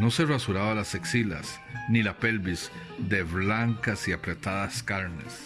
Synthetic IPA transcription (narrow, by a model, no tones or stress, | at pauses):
no̞se̞rasuɾaβalaseksila̰s | nilape̞lbizd̪e̞βlaŋkasiapɾe̞t̪aðaskaɾne̞̰s